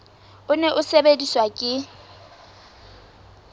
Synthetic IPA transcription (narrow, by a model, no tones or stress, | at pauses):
ʊneʔʊsebediswakʼɪ